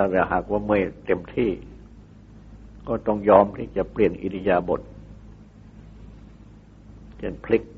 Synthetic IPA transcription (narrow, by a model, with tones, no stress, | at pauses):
t̪ʰaː˧˩ɾɛː˨˩ɦa̰ː˨˩k̚waː˥˩mɯ˧˥˩ə˨jt̪e˧mt̪ʰiː˥˩ | kɔː˥˩t̪ɔ˥˩ŋjɔː˧mt̪ʰiː˥˩t͡ɕa˨˩pli˨˩ənʔḭ˨˧di˧jaː˧bo̰˨˩t̪̚ | t͡ɕe˧˩npʰli˦˥k̚